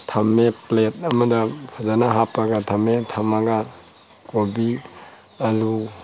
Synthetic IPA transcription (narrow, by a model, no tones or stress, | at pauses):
tʰamːeplet̚ɐmɐdasʰazanaɦapaɡatʰametʰamaɡa | kobi | alu